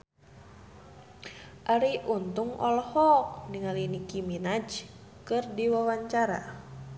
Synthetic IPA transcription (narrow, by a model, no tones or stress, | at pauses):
ʔaɾiʔunt̪uŋɔ̰lhɔk̚niŋalinikiminad͡ʒ | kɨrdiwawaɲt͡ʃaɾa̰